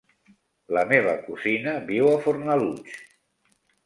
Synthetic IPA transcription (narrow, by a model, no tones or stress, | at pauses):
ləmeβəkuzinəβiwafuɾnalut͡ʃ